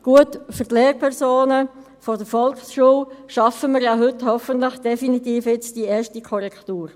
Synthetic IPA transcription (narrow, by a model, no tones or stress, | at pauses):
ɡ̥uətfəʁtleːɾpʰɛʁsoːnə | fɔdəfɔlksʃuːlʃɑfəməɾjaɦɵthɔfəntləχd̥ɛfinit̪iːfɪt͡sd̥iɛːʃtikʰɔɾɛktuːɾ